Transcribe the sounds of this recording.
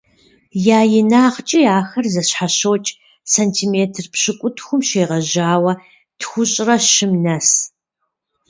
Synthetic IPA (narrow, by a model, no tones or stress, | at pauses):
jaːjɪnaːχt͡ʃʼijaːxɐrzɐɕħaɕowːt͡ʃʼ | sɐntʰiːmeːtʰrpɕɨkʷʼʊtʰxʷʊmʃeːʁɐʑaːwɐ | tʰxʷʊɕʼrɐɕɪmnɐs